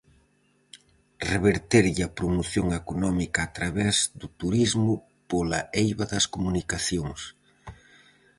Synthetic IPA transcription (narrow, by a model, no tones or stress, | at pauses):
reβeɾt̪eɾʎɪɐpɾomoθjoŋekonɔmikɐːt̪ɾaβɛzd̪ʊt̪uɾizmʊ | polɐ̰ejβɐðɐskomunikaθjoŋs